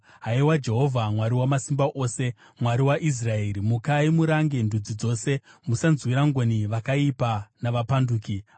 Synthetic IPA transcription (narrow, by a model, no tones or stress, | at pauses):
ɦaiwad͡ʒe̞ɦo̞vʱamwaɾiwamasimbaʔoːse̞ | mwaɾiwaʔis̬rae̞ːɾimukaimuɾaŋɡe̞ndʱud͡zid͡zo̞se̞musanzwiɾaŋɡoniʋakaipanaʋapanduːki